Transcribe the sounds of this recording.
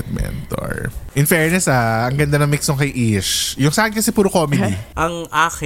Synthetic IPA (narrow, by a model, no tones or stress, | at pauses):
t̪̚mɛ̰nt̪o̰ɹʔɪnfɛːɹnɛsaʔɐŋɡɐnd̪anɐŋmiksoŋkɐjʔiʃjʊŋsaːʔɐnkɐsɛpuːɾokoːmɛd̪iʔɐŋʔaːk